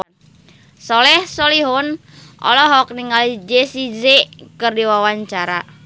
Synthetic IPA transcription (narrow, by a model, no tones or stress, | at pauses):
sɔlɛhsɔliɦʊn | ʔɔ̰lɔɦɔk̚niŋalid͡ʒesizekɨrdiwawaɲt͡ʃaɾa